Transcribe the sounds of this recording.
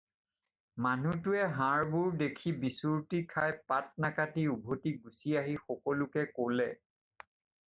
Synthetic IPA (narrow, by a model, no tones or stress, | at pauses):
manutʊɛɦãɹbuɹdekʰibisuɹtikʰajpat̚nakatiubʱotiɡusiaɦixɔkɔlʊkɛkolɛ